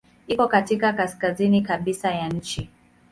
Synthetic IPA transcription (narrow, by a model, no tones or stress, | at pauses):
ikɔkatikakaskazinikaɓisajaɲ̩t͡ʃi